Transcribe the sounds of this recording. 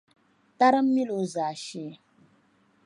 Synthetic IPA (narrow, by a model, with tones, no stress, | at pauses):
ta˦ɾɨ˦m̩˦mi˦lo˨˦zaː˨ʃi˦˨